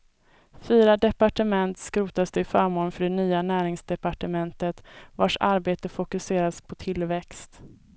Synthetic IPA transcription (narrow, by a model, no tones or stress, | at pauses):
fyːɾad̪ɛpaʈəmɛnt̪skɾʉːt̪asd̪ɛɪfœːɾmoːnfœɖɛnyːanæːɾɪŋsd̪ɛpaʈəmɛnt̪ət̪vaʂaɾbeːt̪əfʊkɵseːɾaspʰɔt̪ʰɪlvɛkst̪